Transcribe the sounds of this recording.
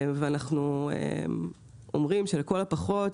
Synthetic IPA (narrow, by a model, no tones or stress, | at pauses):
veanaχnuḛm | o̰mʁimʃeleko̞lapaχo̞t